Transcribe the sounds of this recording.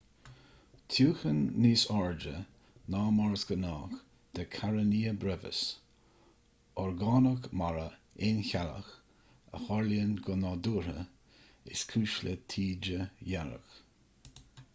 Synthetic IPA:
t̪ʰjuːxənːiːsɔɹd͡ʒə | nɑːmɔɹsɡənɑːx | d̪̥əkʰaɾəniːəbɾɛvə̰s | ɔɹɡɑːnəkmaɾə | ɪnçalə̰x | ə̰hɔɹljənɡɔnɑːd̪uːɾə̰ | ɪ̰skʰuːʃlət̪ʰiːd͡ʒəjaɾə̰k

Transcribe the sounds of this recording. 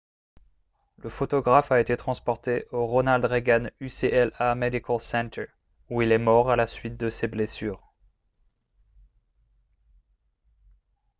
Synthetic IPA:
ləfot̪ɔɡʁafaet̪et̪χɑ̃spɔʁt̪eʔoʁonald̪ʁeɡanyseʔɛlamed̪ikʰɔlsɛ̃nt̪ʰə˞ | uilɛmɔʁalasɥit̪̚d̪əseblesyːʁ

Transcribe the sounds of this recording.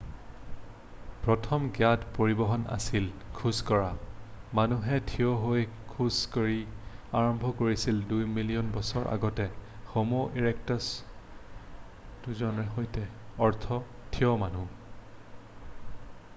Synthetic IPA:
pɹɔtʰɔmɡjadpoɹibɔɦɔna̰silkʰuskɔɹamanuɦɛtʰijɔɦojkʰuzkoɹiaɹɔmbʱɔkoɹisildujmilijɔnbɔsɔɹʔa̰ɡɔtɛxomoʔiɹɛk̚tɔs | duzɔnɛɦojtɛɔɹtʰɔtʰiɔmanu

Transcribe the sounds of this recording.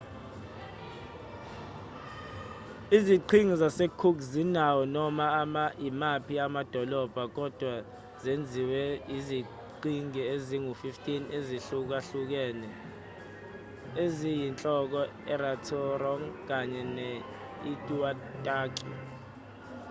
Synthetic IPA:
iziǃʰiŋizasekʰukzinawɔnɔmamaimapʰiamad̥ʱɔlɔb̥ʱak̬ɔd̥ʱwa | zend͡zʱiwɛjizi | ǃʰiŋieziŋufiftʼineziɬuk̬aɬuk̬ɛːnɛ | ezijint͡ɬʼɔk̬ɔ | ɛɾatʰɔrɔŋk̬aɲɛnɛ | itʼuwatʼaːk̬ʼi

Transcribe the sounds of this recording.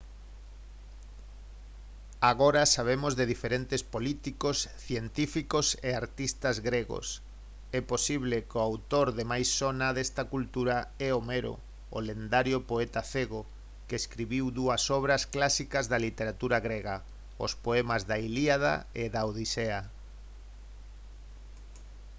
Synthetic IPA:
aɣoɾɐsaβ̞emozðeðifeɾent̪espolit̪ikosθjent̪ifikoseaɾt̪ist̪azɣɾeɣo̰s | ɛposiβ̞lekoawt̪oɾðemajsːonaðest̪ɐkult̪uɾaɛomeɾo̰ | o̰lend̪aɾjopoɛt̪aθeɣo | kɪeskɾiβiwðuɐsɔβɾɐsklasikɐzðɐlit̪eɾat̪uɾaɣɾeɣa | o̰spoɛmazðailiaða̰eðaoðisea

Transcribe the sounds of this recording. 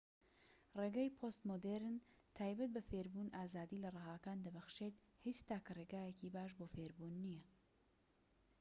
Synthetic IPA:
reɡajpʰost̪mod̪eɾɨn | t̪ʰaːjbɐt̪̚bɐfeːɾbuːnʔaːzaːd̪iːlɐrɨɦaːkaːnd̪ɐbɐxʃeːt̪ | hit͡ʃt̪aːkɐreːɡaːjeciːbaːʃ̬boːfeɾbuːnːijɐ

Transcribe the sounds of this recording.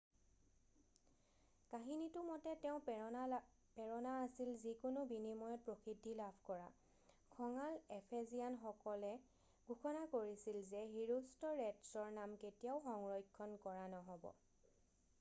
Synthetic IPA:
kaɦinitʊmɔtɛtɛʊ̃ | pɛɹɔnaːsilzikʊnʊbinimɔjɔt̚pɹokʰidʱːilabʱkɔɹa̰ | kʰɔŋalɛpʰezijanxɔkɔlɛ | ɡʱuxɔnakoɹisilzɛɦiɹustɔɹɛtsɔɹnamketijaʊxɔŋɹɔjkʰːɔnkɔɹanɔɦɔbɔ̰

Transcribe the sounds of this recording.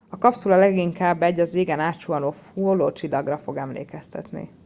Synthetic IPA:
ɒkɒpsulɒlɛɡiŋkaːbːɛɟːɒzeːɡɛnaːt̪t͡ʃuɒnoːfuloːt͡ʃilːɒɡrɒfo̞ɡɛmlḛːkɛst̪ɛ̰t̪nḭ

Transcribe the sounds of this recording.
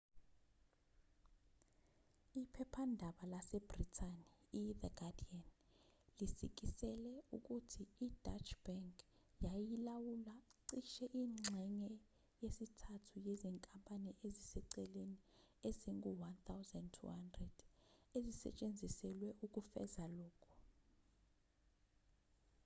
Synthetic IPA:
ipʰɛpʰandʱaɓalasɛb̥ritʰaniːðɛɡ̥adian | lisḭk̬isɛlɛuk̬ʼutʰiːd̥at͡ʃʰb̥aŋkʰʼ | jajilawulaǀiʃɛʔiːŋ͡ǁŋ͡ǀʱɛŋɛ | jesitʰatʰujeziŋkʼampʼaniʔezisɛǀɛlenieziŋɡuwant̪ʰawzantʰṵhandrɛd̥ezisɛ̰t͡ʃʼend͡zʱisɛlwɛʔuk̬ʼufɛ̰zalɔːkʰu̥

